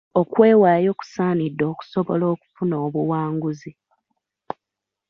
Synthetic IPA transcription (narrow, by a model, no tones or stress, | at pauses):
o̞kwe̞ːwaːjo̞ːku̥saːnidːo̞ːku̥soβolo̞ːku̥funoːβuwaːŋɡuzi